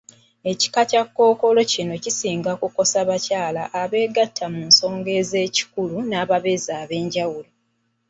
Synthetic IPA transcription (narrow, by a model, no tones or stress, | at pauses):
e̞ci̥kacakːo̞ːko̞lo̞cino̞cisiːŋɡakuko̞saβacaːlaʔːβe̞ːɡatʰːamunso̞ːŋɡe̞ze̞ːci̥kulunaːβaβe̞zaːβe̞ːɲɟawulo